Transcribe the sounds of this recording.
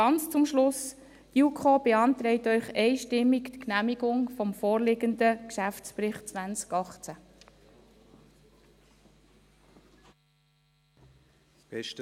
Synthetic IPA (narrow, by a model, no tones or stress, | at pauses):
ɑnt͡st͡sʊmʃlʊs | tjukʰob̥eɑnt̪ɾɛɪt̪œʏχɛɪʃtɪmːikt̪knæmiɡʊŋfɔmfoːrlɪɡənd̪əkʃæft͡spɾɪχtt͡sʋænt͡skɑχt͡sæ | ɛʃt